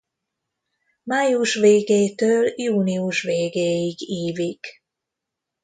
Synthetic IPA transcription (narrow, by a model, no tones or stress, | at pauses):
maːjuʃʋeːɡeːt̪øːljuːniuʃʋeːɡeːjiɡiːvik